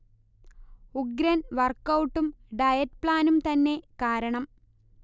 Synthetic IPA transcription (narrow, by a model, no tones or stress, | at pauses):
uɡɾɐnʋɐrkːɐwʈːumɖɐjɐt̚pɭaːnumt̪ɐnːe̞kaːɾɐɳɐm